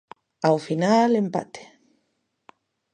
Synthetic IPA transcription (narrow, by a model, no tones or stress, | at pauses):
awfinalempa̰t̪e̥